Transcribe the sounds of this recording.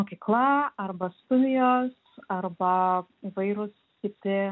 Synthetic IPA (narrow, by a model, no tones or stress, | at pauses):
moːkʲiːklˠɐɐrbɐst̪ʊd̪ʲɪjoːs | ɐrbɐiːʋɐɪɾʊs | kʲɪt̪ʲɪ